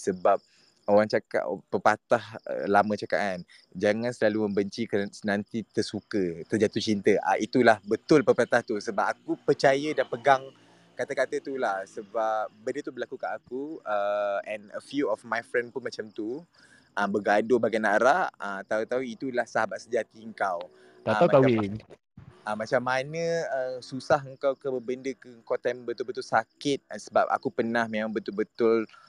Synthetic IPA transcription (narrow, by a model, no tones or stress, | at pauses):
səbap̚ | owaŋt͡ʃaka̰ʔʔpəpat̪ahlamə̃t͡ʃaka̰ʔan | d͡ʒaŋãnsəlalumə̃mbəɲt͡ʃiksənãnt̪it̪ərsukət̪ərd͡ʒat̪ut͡ʃint̪əʔa̰ʔit̪ulahbət̪ʊlpəpat̪aht̪usəbap̚akupərt͡ʃajədanpəɡaŋ | kat̪akat̪ət̪ulahsəbap̚bəndət̪ubəlakukaʔakuəɛ̃nəfjuɔfmajfɾɛnpʊnmat͡ʃamt̪u | ʔəmbəɡadʊbaɡajnaɾaət̪awt̪awit̪ulahsaɦabaʔsəd͡ʒat̪iəŋkaw | t̪aamakawin | ʔamat͡ʃamːanə̃əsusaɦəŋkawkəbəbəndəkəəŋkɔt̪ambət̪ʊlbət̪ʊlsakɪt̪̚səba̰p̚a̰kupənahmemãŋbət̪ʊlbət̪ʊl